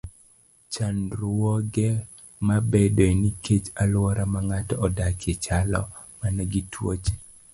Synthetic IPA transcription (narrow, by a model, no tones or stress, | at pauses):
t͡ʃanɾwɔɡɛ | mabedeniket͡ʃalwɔɾamaŋatɔɔdakʰet͡ʃalɔ̰ | manɛɡitʰwo̰t͡ʃ